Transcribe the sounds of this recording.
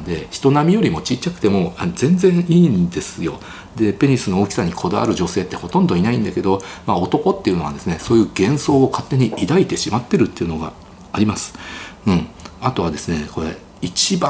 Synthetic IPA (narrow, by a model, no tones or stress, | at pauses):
d̪e̞çi̥t̪o̞namʲijo̞ɾʲimo̞t͡ɕit͡ɕːakɯ̟̥t̪e̞mo̞anzẽ̞nd͡zzẽ̞ɰ̃iːnd̪e̞sɨjo̞̰ | d̪e̞pe̞ɲ̟isɨno̞okʲi̥saɲ̟ikʰo̞d̪aa̰ɾɯ̟ʑo̞se̞ːt̪ːe̞ho̞t̪õ̞nd̪o̞inaĩnd̪ake̞d̪o̞mao̞t̪o̞ko̞t̪ːe̞iɯ̟no̞ad̪esɨne̞so̞ːjɯ̟ːɡẽ̞ɰ̃so̞ːkat̪ːe̞ɲ̟iʔid̪ait̪e̞ɕimat̪ːe̞ɾɯ̟t̪ːe̞iɯ̟no̞ɡa̰ː | ɾʲimasɨ̥ɯ̟̃ɴat̪o̞β̞ad̪e̞sɨne̞ko̞ɾe̞̰ | it͡ɕiba